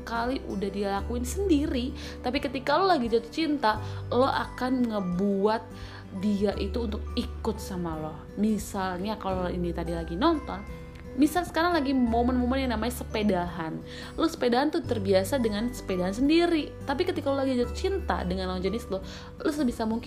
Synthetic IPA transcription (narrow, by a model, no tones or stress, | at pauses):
əkaliʔṵdahdialakuɪnsəndiɾi | t̪apikət̪ikalolaɡid͡ʒat̪u̥t͡ʃint̪alɔa̰kanŋəbuat̪̚ | diaʔit̪uːnt̪ʊk̚ikʊt̪̚samalɔhmisalɲakaloḭnit̪adilaɡinɔnt̪ɔn | misalsə̥kaɾaŋlaɡimomənmomənjaŋnamaɲasəpedaɦan | losə̥pedaɦant̪ʊt̪ərbiasadəŋansə̥pedaɦans̬əndiɾit̪apikət̪ikalolaɡid͡ʒat̪u̥t͡ʃint̪a̰dəŋanlɔd͡ʒənɪslɔh | lɔsbisamuŋk